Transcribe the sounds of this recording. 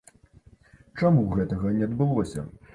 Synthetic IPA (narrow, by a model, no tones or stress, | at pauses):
t͡ʂamuɣɛt̪ɐɣɐnʲɛɐd̪bɨlˠɔsʲɐ̰